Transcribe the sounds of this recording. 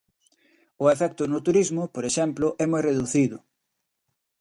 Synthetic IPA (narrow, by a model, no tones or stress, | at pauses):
ʊefɛk̚t̪ʊnʊt̪uɾizmʊpoɾeʃɛmplʊʔɛmojreðuθiðʊ